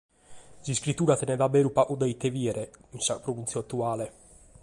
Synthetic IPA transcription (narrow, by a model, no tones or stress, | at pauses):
ziskɾit̪ːuːɾat̪ɛnɛðabɛːɾupaʔud̪ɛit̪ːeviɛɾɛinsapɾovunt̪sjɔat̪ːuaːlɛ